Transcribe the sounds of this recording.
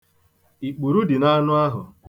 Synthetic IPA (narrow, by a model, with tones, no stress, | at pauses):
i˨k͡pu˨ɾu˦dɪ˨na˦nʊ˦a˦ɦʊ̰˨